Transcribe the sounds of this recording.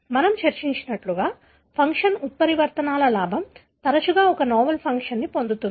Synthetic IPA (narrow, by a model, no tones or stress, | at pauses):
mɐnɐmt͡ʃɐɾt͡ʃiɲt͡ʃinɐʈluɡaː | pʰɐŋkʂɐnut̪̚pɐɾiʋɐɾt̪ɐnaːlɐlaːbʱɐm | t̪ɐɾɐt͡ʃuɡaːɔkɐnɔːmɐlpʰɐŋkʂɐnːipond̪ut̪und̪i